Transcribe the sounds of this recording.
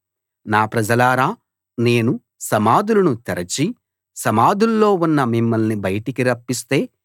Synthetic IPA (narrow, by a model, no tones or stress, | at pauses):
naːpɾɐd͡ʒɐlaːɾaː | ne̞ːnu | sɐmaːd̪ulɐnut̪ɐɾɐt͡ʃi | sɐmaːd̪ulːo̞ːunːɐmimːɐlnibɐjɐʈikiɾɐpːist̪e̞ː